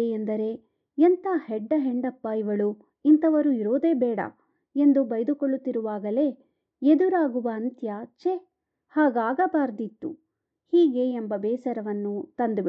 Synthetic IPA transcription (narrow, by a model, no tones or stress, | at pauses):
eend̪ɐɾe̞ | ent̪ʰaːhɛɖːɐɦeɳɖɐpːɐiʋɐɭu | int̪ʰɐʋɐɾuiɾoːd̪e̞ːbɛːɽɐ̰ | e̞nd̪ubɐjd̪ukoɭːut̪ːiɾuʋaːɡɐle̞ː | ed̪uɾaːɡuʋɐːnt̪jɐt͡ʃe | haːɡaːɡɐbaːɾd̪it̪ːu | hiːɡe̞embɐbɛːsɐɾɐʋɐnːut̪ɐnd̪ubi